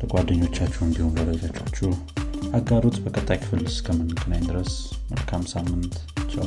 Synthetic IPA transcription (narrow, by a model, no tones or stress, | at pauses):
əkʼad̪ːəɲːo̞t͡ʃːat͡ʃːɛwɨnbihonbəbəzat͡ʃʰʼːat͡ʃːu | ʔaɡːaɾot̪bəkʼət̪ʼːajkʰɨ̥fɨlɨskʰəmːɨnkʰʼɨnajd̪ɨɾəsmə̰lkʰamsamːɨnt̪t͡ʃʼːa